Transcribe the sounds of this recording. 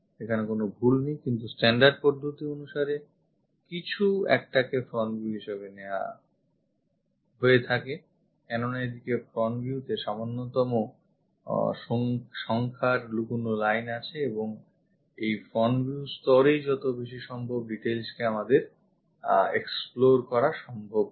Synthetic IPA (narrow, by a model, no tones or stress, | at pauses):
ʃekʰanekonobʱulnijkint̪usʈɛɳɖaɾɖ̚poɾd̪ʱot̪ionuʃaɾe | kit͡ɕʰuɛ̰k̚ʈakefɾɔnvjuɦiʃeβenea̰ | ɦoet̪ʰake | kɛnonaed̪ikefɾɔnvjiuteʃamonːot̪ɔmo | ʃʃɔŋkʰaɾlukunolajnat͡ɕʰeeboŋ | ejfɾɔnbiust̪ɔɾejd͡ʑɔt̪obeʃ̬iʃɔmbʱobɖiʈelskeamad̪eɾ | eksploɾkɔɾaʃɔmbʱob̚